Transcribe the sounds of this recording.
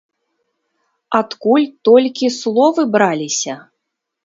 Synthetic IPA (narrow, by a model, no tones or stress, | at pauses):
at̪kulʲt̪ɔlʲkʲislˠɔvɨbɾalʲisʲɐ